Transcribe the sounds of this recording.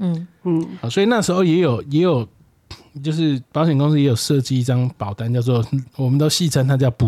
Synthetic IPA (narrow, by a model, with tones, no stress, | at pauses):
hɑ˨˩swɔ˧˥i˨˩na˥˩ʂɻ̩˧˥xo˥˧ʊjɛ˨˦˥jo˨˩ʊjɛ˧˦˥jo˨˩ʊ | t͡ɕjo˥˧ʊʂ̬ɻ̩˥˩pɑ˧˦ʊɕɥɛ˨˩nkʊ˥˦ŋs̬̩˥jɛ˧˥jo˨˩ʊʂɤ˥˧t͡ɕi˥˦i˥˩ʈ͡ʂɑ˦ŋpɑ˨˩ʊt̪a˥˦nt͡ɕjɑ˥˧ʊt͡s̬wɔ˥˨wɔ˨˩mə˨nt̪o˥˦ʊɕi˥˨t͡sʰə˥nt̪ʰa˥t͡ɕjɑ˥˩ʊpu˨